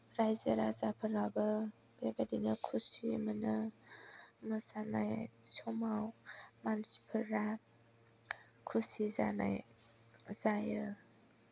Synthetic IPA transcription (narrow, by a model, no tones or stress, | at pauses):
ɾajzəɾazapʰəɾabə | bebadinəkʰusimənə | məsanajsɔmawmansi̥pʰəɾat̚ | kʰusiza̰na̰j | zajə